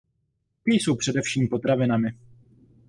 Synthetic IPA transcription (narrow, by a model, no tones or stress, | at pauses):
pijso̞wpr̝̥ɛdɛfʃiːmpo̞t̪ɾavɪnamɪ